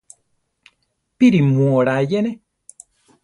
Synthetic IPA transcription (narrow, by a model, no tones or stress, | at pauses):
piɾimwoɾajɛnɛ